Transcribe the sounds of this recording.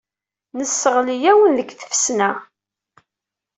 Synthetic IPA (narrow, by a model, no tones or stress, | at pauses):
nəsːəʁlijæwənðəɡθə̥fsnæ